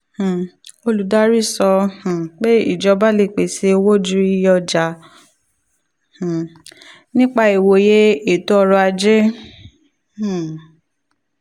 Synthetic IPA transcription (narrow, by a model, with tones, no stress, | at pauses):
h̩˨o˧lu˨da˦ɾi˦˨sɔ˧h̩˨k͡pe˦ḭ˦˨d͡ʒɔ˧ba˦le˦˨k͡pe˨se˧wo˦d͡ʒu˦i˧˦jɔ˧d͡ʒa˨˧˦ | h̩˨ | nĩ˦k͡pa˧i˨wo˧˨je˦e˨to˨˦ɔ˧ɾɔ˧a˧d͡ʒe˦ | h̩˨